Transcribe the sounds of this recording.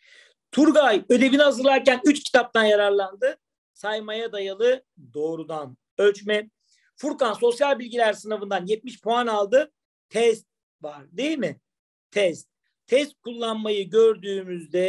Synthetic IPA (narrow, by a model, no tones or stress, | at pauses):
t̪ʰuɾɡajø̞d̪e̞βiniɦazɯɾlˠaɾcænyt͡ʃcʰi̥t̪ʰap̚t̪ʰanjaɾaɾlˠand̪ɯ | sajmajad̪ajalˠɯ | d̪o̞ːɾud̪an | øt͡ʃmɛ | fuɾkanso̞sjalʲbilʲɟilʲæɾsɯnavɯnd̪anjɛt̪̚miʃpʰoanalˠd̪ɯ | t̪ʰɛst̪̚ | vaɾd̪e̞jilʲmɪ | t̪ʰɛst̪̚ | t̪ʰːɛst̪̚kʰulˠːanmajɯɟøɾd̪yːmyzd̪ɛ